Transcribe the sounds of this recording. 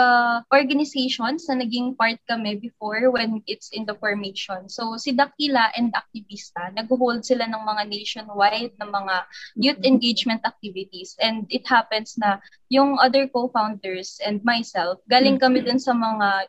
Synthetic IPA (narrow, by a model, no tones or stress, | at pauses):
ɐʔoɹɡɐnɪsejʃonsnɐnɐɡiŋpaɹt̪̚kɐmɛbɪfoɹwɛnʔɪt̪sɪnd̪ɐfɔɹmeʃonsowsɪd̪ɐk̚ilaʔɛnd̪ʔɐk̚t̪ɪvist̪ɐnɐɡ̚ʊɦold̪̚sɪlanɐŋmɐŋanejʃonwajd̪̚nɐŋmɐŋanjut̪ɛ̃nɡejd͡ʒmɛ̃nt̪ɐk̚t̪ivɪt̪isʔɛ̃nd̪ɪt̪̚hapɛnsnɐ | jʊŋʔɐd̪ɛɹkofawnd̪ɛɹsʔɛ̃nd̪̚majsɛlfɡaːlɪŋkɐmɛd̪ʊnsɐmɐŋa